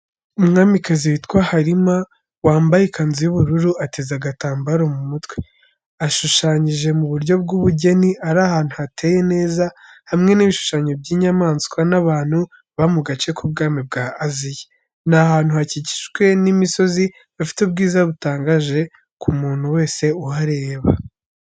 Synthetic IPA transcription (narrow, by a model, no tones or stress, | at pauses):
umŋaːmikaziwitkwahaɾima | waːmbajikanzijuβuɾuɾuʔatezaɡataːmbaɾomumutwe | aʃuʃaːɲiʒe̞muβuɾjo̞b̚ɡuβuɟe̞niʔaɾahaːn̥huhatʰe̞je̞ne̞ːzahamŋe̞niβiʃu̥ʃaːɲo̞bɟiːɲamaːnskwanaβaːn̥hu | βamuɡat͡ʃe̞kub̚ɡaːmib̚ɡaːzije | nahaːn̥huhacici̥ʃwe̞nimiso̞zi | βafi̥tub̚ɡiːzaβutaːŋɡaʒe̞ | kumuːn̥huwe̞ːse̞uhaɾe̞βa